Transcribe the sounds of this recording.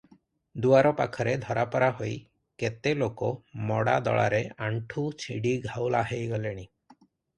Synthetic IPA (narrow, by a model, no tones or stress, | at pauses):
d̪uaɾɔpa̰kʰɔɾed̪ʱɔɾapɔɾaɦoj | ket̪elokɔmɔɽad̪ɔ̰ɭa̰ɾeaɳʈʰut͡ʃʰiɽiɡʱawlaɦejɡɔleɽ̃i